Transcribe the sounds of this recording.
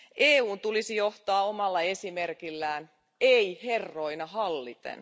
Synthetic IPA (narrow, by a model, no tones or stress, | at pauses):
ʔeːuːnt̪ulisijo̞ht̪ɑːomɑlːɑe̞simerkilːæːn | eiherːo̞inɑɦɑlːit̪ḛn